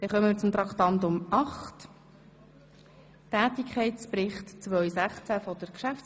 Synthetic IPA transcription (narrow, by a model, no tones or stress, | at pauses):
d̪̥ɛχœməmɪɾt͡sʊmt̪ɾɑkχt̪ɑnt̪ʊmɑχt | tæːtikʰχɛɪtspɾɪχtt͡sʋœʏsæχt͡sæfɔdəɾkʃæft͡s